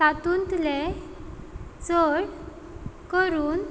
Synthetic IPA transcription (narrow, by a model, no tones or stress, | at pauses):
at̪unt̪le | t͡sɔɽ | kəɾuːn